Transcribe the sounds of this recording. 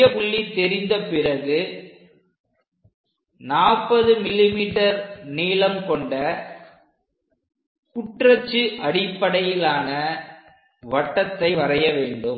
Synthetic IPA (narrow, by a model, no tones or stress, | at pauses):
ɐkʊɭːit̪ːɛɾɪnd̪ɐpɪrɐɣɯ | naːpːɐðɯmɪlːɪmiːʈːɐɾniːlɐmkɔɳɖɐ | kʊʈrɐt͡ʃːɯʔɐɽɪpːɐɽɐjɪlaːnɐ | ʋɐʈːɐt̪ːɐɪʋɐrɐjɐʋeːɳɖɯm